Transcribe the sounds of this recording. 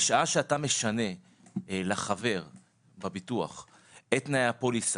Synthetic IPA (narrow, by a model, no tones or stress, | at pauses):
ʃaaʃeatame̞ʃane̞ | laχave̞ʁ | babitua̰χ | et̪najapo̞lis